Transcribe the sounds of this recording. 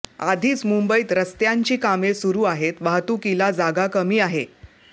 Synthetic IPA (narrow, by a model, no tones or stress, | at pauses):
ad̪ʱiːt͡smumbəiːt̪ɾəst̪jaɲt͡ɕiːkamesuɾuːaɦet̪ʋaɦt̪uːkilad͡zaɡakəmiːaɦe